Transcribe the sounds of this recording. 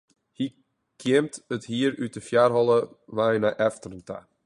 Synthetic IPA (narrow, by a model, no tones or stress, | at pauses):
hi | kʰɪəmtəthiəɾytəfjarɦɔlˠə | ʋajnaʔɛftərənta̰